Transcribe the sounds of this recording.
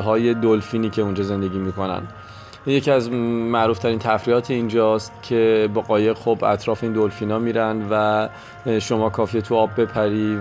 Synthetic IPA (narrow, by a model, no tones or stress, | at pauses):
ɦɒːje̞d̪olfiːniːcʰe̞und͡ʒɒːze̞nd̪e̞ɟʲiːmiːko̞næ̰nd̪̥ | je̞cʰiæzmæʔɾuːft̪ʰæɾiːnt̪ʰæfɾiɒːt̪ʰeind͡ʒɒːst̪cʰe̞bɒːɣɒːje̞ɣxobæ̰t̪ʰɾɒːfeind̪olfiːnɒːmiːɾænd̪væ | ʃo̞mɒːkʰɒːfiːjet̪ʰuɒːbːe̞pʰæɾiː